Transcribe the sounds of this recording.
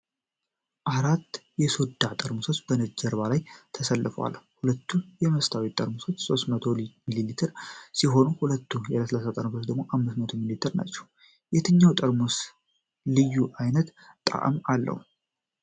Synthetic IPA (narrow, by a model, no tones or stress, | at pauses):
ʔaɾat̪ːjɛsod̪at̪ʼəɾmuso̞t͡ʃːbənəd͡ʒəɾβalajt̪ʰəsəlːɨfəwa̰lhulət̪ːujɛməst̪ʰawit̪ʼːəɾmuso̞t͡ʃːso̞st̪mət̪ʰo̞lmililit̪ʰɨɾsiɦo̞nuhulət̪ːujɛləsəlasat̪ʼəɾmusot͡ʃd̪əɡmo̞ʔamːɨsmət̪ʰomilit̪ʰɨɾna̰t͡ʃːɛ̥w | jɛt̪ʰɨɲːawt̪ʼəɾmus | lɨjːuʔajnət̪ | t̪ʼːa̰ʔə̰malːə̰hu